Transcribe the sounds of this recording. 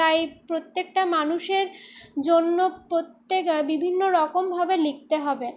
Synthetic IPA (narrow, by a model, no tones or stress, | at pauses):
ajpɾot̪ːek̚ʈamanuʃeɾd͡ʑonːopɾot̪ːekbibʱinːoɾɔkombʱabelik̚t̪eɦɔbe